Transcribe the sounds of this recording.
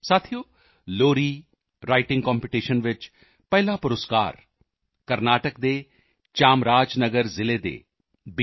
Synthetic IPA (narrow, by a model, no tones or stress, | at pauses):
saːt̪ʰijoː | loːɾiː | ɾaːɪʈɪ̃ŋɡkɔːmpɪʈiːʃənʋɪt͡ʃ | pɐɦlapʊɾəska̰ːɾ | kɐɾnaːʈək̚d̪eː | t͡ʃaːmɾaːd͡ʒnɐɡəɾzɪled̪ḛː | b